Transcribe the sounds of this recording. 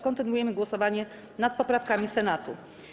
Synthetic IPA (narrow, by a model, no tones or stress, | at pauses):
kɔnt̪ɘnujɛmɘɡwɔsɔvaɲɛ | nat̪̚pɔpɾafkamʲisɛnat̪u